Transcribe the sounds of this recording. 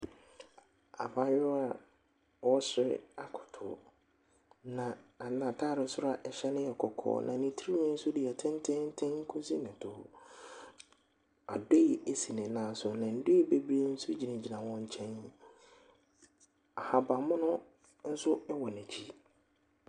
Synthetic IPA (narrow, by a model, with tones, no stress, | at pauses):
a̰˨ba˦jʊ˦a˨ | wɔ˦sɪ˨˦ɾɪ̰˦a˨kʰʊ̥˨tʰʊ̰˨ | nã˨a˨nã˨tʰaː˦˨ɾɪ˨˦sʊ˦ɾa˦ʔɛ˨ɕɛ˦nɪ̃˦jɛ˨kʰɔ˨kʰɔ̰ː˨˦nʔã̰˨nĩ˨tʰi˦ɾi˦nɛ̃˦n̩˦sʊ˦dɪ˨ɛ˨tʰɛ̃˦n˦tʰɛ̃˦n̩˦tʰɛ̃˦ŋ̩˦kʰʊ̃˦si˦nɪ̃˨tʰʊ˨ | a̰˨de˦i˨e˨si˨nɪ̃˨nãː˨sʊ˨nã˨n̩˦dʊ˦i˦be˦bɾie˦n̩˦sʊ˦d͡ʑi˨nɛ̃˨d͡ʑi˨nã˨wɔ̃˦ɲ̩˦t͡ɕʰɛ̃˦n | a˨ha˨ba˨mʊ̃˦nʊ̃˦ | n̩˦sʊ˦ɛ˦wɔ˨nɛ̃˨t͡ɕʰi˦